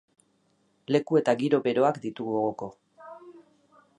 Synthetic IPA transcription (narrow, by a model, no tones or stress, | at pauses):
le̞kue̞t̪aɣiɾo̞βe̞ɾo̞akd̪it̪uɣuoɣoko̞